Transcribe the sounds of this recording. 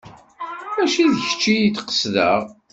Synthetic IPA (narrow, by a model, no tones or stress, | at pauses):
mæʃiðəçə̥t͡ʃːijit͡sːqə̥sðə̰ʁ